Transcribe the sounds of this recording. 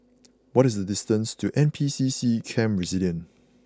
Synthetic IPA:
wɔtɪsdədɪstə̃nstʰuʔɛ̃npʰisisikʰɛ̃mɹɛziljə̃n

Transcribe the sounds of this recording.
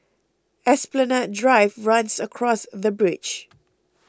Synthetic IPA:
ɛsplənadɹaɪvɹãnsəkʰɹɔsðəbɹɪd͡ʒ

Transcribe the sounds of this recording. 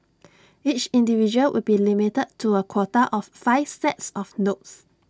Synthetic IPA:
it͡ʃĩndivid͡ʒuəlwʔɪ̰lbilimitəd̚tʰuəkʰwɔtəʔɔffaɪvsɛtsɔfnots

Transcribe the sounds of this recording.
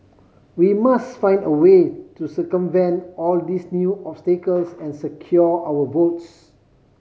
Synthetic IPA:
wimasfãɪ̃ndəwetusəkə̃mvɛ̃ntɔldisnjuʔɔpstekəlsɛ̃nsəkʰjɔawəvots

